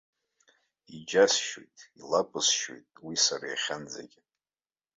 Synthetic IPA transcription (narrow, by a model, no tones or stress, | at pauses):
id͡ʒasʃwo̰jtʼilapʷʼɨsʃwo̰jtʼwisara̰jχʲand͡za̰ɡʲɪ